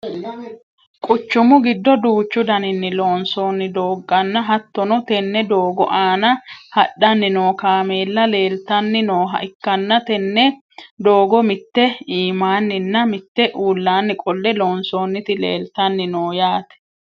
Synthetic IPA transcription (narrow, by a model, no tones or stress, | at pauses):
kʼʊt͡ʃːʊmʊɡɪd̪ːɔd̪uːt͡ʃːʊd̪ɐnɪnːɪlo̞ːnso̞ːnːɪd̪o̞ːɡːɐnːɐɦɐt̪ːɔnɔt̪ɛnːɛd̪oːɡɔʔaːnɐhɐɗːɐnːɪno̞ːkaːme̞ːlːɐle̞ːlt̪ɐnːɪnoːɦɐ̰ʔɪkːɐnːɐt̪ɛnːɛ | d̪oːɡɔmɪt̪ːɛiːmaːnːɪnːɐmɪt̪ːɛʔuːlːaːnːɪkʼɔlːɛlo̞ːnso̞ːnːɪt̪ɪlḛːlt̪ɐnːɪnoːjaːt̪ɛ̥